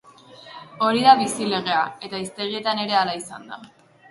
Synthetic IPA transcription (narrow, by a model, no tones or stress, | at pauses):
o̞ɾiðaβisile̞ɣ̞e̞ae̞t̪aist̪e̞ɾie̞t̪ane̞ɾe̞alaisand̪a